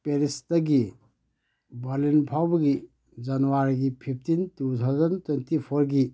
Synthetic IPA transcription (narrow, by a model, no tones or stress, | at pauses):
peɾisdɐɡi | balinpʰawbɐɡi | d͡ʒɐnuwaɾiɡipʰip̚ʰtintutʰawzɐntwentipʰoɾɡi